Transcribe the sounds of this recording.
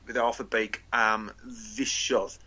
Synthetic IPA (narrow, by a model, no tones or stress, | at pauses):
wɪðaɔfəbejkʰamvɪʃɔð̥